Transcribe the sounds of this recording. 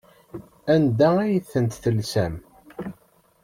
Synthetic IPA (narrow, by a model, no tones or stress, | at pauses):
ænd̪ææjθːənt̪θəlsæm